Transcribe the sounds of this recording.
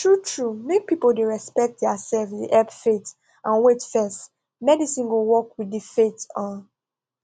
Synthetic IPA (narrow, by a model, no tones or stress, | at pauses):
tʰɹutʰɹumek̚pipoldeɹɛspɛk̚t̚dɛasɛlfdiʔɛpfet | ʔãnwetfɛst | mɛdisĩnɡowɔkwiddifetɔ̃n